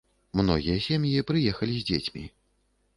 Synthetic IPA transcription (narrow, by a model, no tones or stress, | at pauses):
mnɔ̰ɣʲijɐsʲɛmjipɾɨjɛxɐlʲizʲd͡zʲet͡sʲmʲḭ